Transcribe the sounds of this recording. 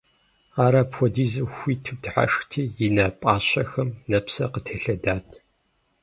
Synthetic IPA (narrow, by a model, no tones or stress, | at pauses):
aːɾaːpxʷɔdiːzɐxʷiːtʰɨw̚dħa̰ʂxtʰiːjɪnapʼaːɕʼɐxɐmnɐpsɐ̰qətʰeɬɐdaːtʼʰ